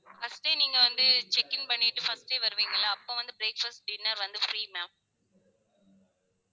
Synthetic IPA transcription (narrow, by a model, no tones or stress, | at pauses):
fɐsʈeːniːŋɡɐʋɐnd̪ɯt͡ʃɛkːɪnpɐɳːɪʈːɯfɐsʈeːʋɐɾɯʋiːŋɡɐɭaːɐpːõʋɐnd̪ɯbɾeːkfɐsʈ̚ɖɪnːɐɾʋɐnd̪ɯfɾiːmaːp̚